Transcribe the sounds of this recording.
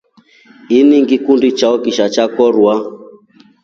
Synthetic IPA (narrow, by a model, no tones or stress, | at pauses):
iniŋɡikundit͡ʃaɔkiʃat͡ʃakɔɾwa